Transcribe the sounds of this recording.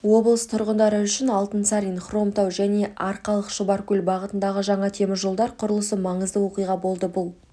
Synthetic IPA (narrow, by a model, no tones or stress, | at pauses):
wo̞blˠəst̪ʰʊɾʁənd̪ɑɾəʏʃɪnɑlˠt̪ənsɑɾʲinχro̞mt̪awʒæne̞ʔɑɾqɑlˠəqʃəbɑɾkʲɵlʲbɑʁət̪ənd̪ɑʁəʒɑɴɑt̪ʰe̞mɪʒo̞lˠd̪ɑɾqʰʊɾəlˠəsəmɑɴəzd̪əwo̞qijʁɑbo̞lˠd̪əbʊlˠ